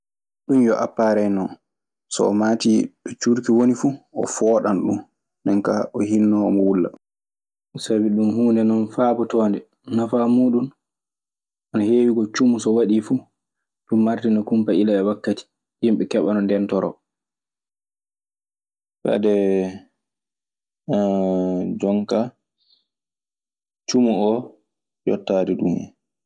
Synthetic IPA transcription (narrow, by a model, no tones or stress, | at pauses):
ɗumjɔʔa̰pːaɾɛjnɔ | sɔ̰ːmaːtiɗɔt͡ʃuɾkiwonifuʔɔ̰fɔːɗanɗṵn | ndɛnkaɔɦinːɔɔmɔwulːa̰ | sabiɗunhuːndɛnɔnfabɔtɔːndɛ | nafamuːɗun | ʔanaheːwiɡɔt͡ʃumusɔwaɗifu | ɗumːaɾtinɔkumpailaɛwakːati̥ | dimɓɛkɛɓanɔndɛntɔɾɔ̰ | fɛ̰dɛ | d͡ʒɔŋka | t͡ʃumuɔ | jɔ̰tːaːdiɗṵmɛ̰